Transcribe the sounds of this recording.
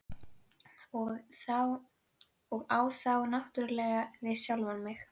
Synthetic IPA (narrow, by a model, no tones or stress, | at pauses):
ɔɣθa | ɔɣaːwθawnaht̪ʏɾlɛːɣavɪðsjawlvanmɪx